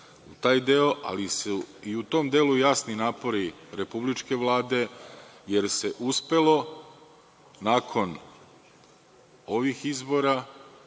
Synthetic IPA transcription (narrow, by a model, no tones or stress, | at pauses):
ut̪aːjd̪eo̞ʔa̰lisuiut̪o̞md̪eːlujaːsninaːpo̞ɾiɾe̞publit͡ʃke̞ʋlaːd̪e̞je̞ɾse̞ʔuspe̞lo̞ | naːkʰo̞n | o̞ʋixizbo̞ɾa